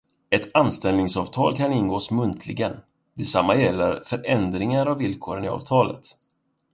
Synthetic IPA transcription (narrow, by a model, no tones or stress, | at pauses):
ɛt̪anst̪ɛlnɪŋsɑːvt̪ʰɑːlkʰanɪnɡoːsmɵnt̪ʰlɪɡən | d̪̥ɛsamːajɛlːəɾfœɾʔɛnd̪ɾɪŋaɾavːɪlkʰoːɾənɪɑ̰ːv̥t̪ʰɑːlə̰t̪